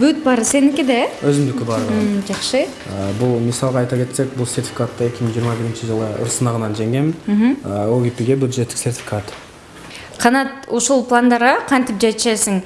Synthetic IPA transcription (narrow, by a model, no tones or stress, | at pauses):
bʉt̪̚bɑɾəsenɪŋkʲed̪ewɵzɪmd̪ɪkʲɪbɑɾʒɑχʃə | əbʊlˠmisɑlˠʁɑɑjt̪ɑkʲʰe̞t̪sek̚bʊlˠse̞ɾt̪ʲfʲikat̪ːɑe̞kʲɪməɴʒijəɾmɑbɪɾɪnʃɪʒəlˠəʊ̰ɾsəmɑʁənɑnʒeŋɡʲemɪnm̩ɦm̩əoɡʲipiɡʲe̞bʲjud̪ʒet̪ːɪksert̪ʲfʲi̥kat̪ | qʰɑnɑt̪woʃolˠplˠand̪ɑɾʁɑqʰɑnt̪ɪpʒet̪ʃesɪŋ